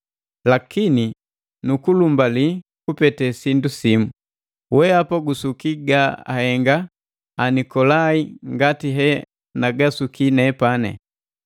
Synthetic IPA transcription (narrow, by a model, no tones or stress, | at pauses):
lakini | nukulumbalikupɛtɛsindusimu | wɛapaɡusukiɡaa̰hɛŋɡaː | nikɔlaiŋɡatiɦɛ | naɡasukinɛpanɛ̰